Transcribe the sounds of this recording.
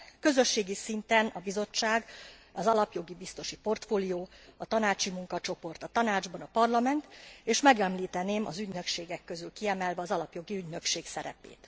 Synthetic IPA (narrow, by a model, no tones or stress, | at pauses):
kø̞zø̞ʃːeːɡisint̪ɛnɒbizo̞t͡ʃːaːɡɒzɒlɒpjo̞ɡibist̪o̞ʃipo̞rt̪foːlijoːɒt̪ɒnaːt͡ʃimuŋkɒt͡ʃo̞po̞rt̪ɒt̪ɒnaːd͡ʒbɒnɒpɒrlɒmɛnt̪eːʃmɛɡɛmliːt̪ɛneːmɒ̰zyɟnø̞kʃeːɡɛkːø̞zylkiɛmɛlvɛɒzɒlɒpjo̞ɡiyɟnø̞kʃeːksɛɾɛ̰pḛːt̪